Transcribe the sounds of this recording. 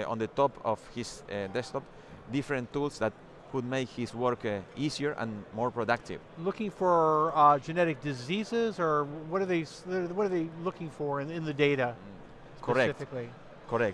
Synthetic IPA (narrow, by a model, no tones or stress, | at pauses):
õ̰nðət̪ɔpʰɔfhisd̪ɛst̪ɔp | d̪ifɾə̃nt̪ːulsðæt̪̚ | kud̪̚meɪkhiswəɹkisiəɹʔã̰nmɔɹpɹod̪ak̚t̪ʰḭvlʊkɪ̃ŋfə˞d͡ʒɨnɛɾɨk̚d̥ɨzizɪzə˞wʌɾə˞ðeɪsəwʌɾə˞ðeɪlʊkɪ̃ŋfə˞ɪ̃ɪ̃nðɨdeɪɾɨ | skʰɔɾɛɪtfɨkli | kʰɔɾɛk̚t